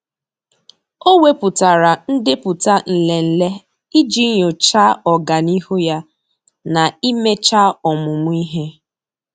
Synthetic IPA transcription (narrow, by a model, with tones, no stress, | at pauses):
o˦we˦pʊ˨ta˨ɾa˨n̩˦dɪ˦pʊ˨ta˦n̩˨le˨n̩˦le˦ | i˦d͡ʒi˦ɲo˨t͡ʃa˦ɔ˨ɡa˨ni˦hu˦ja˦ | na˨i˦me˦t͡ʃa˦ɔ˨mʊ˨mʊ˦i˦ɦe˦